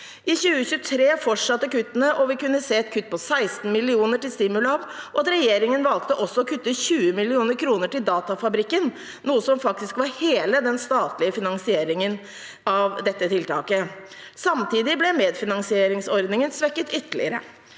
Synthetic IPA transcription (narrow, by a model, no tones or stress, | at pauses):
ʔɪçʉːəçʉːt̪ʰɾeːfɔʈʂɑt̪ːəkʉt̪ːənəʔɔʋɪkʉnːəseːɛt̪̚kʰʉt̪ːpʰɔsæɪst̪n̩mɪlɪuːnəʈɪlst̪ɪmʉlɑːʋʔɔɑt̪ɾɛjeːɾɪŋənʋɑlk̚t̪əʔɔsːɔɔkʰʉt̪ːəçʉːəmɪlɪuːnəɾkʰɾuːnəʈɪld̪ɑːt̪ɑfɑbɾɪkːən | nuːəsɔmfɑk̚t̪ɪskʋɑɾheːləd̪ɛnst̪ɑːt̪lɪəfɪnɑnsɪeːɾɪŋən | ɑʋd̪ɛt̪ːət̪ʰɪlt̪ʰɑːkə | sɑmt̪ʰiːd̪ɪblɛmeːd̪fɪnɑnsɪeːɾɪŋsɔɾd̪nɪŋənsʋɛkːət̪ʏt̪ːəɭɪ̰əɾə̰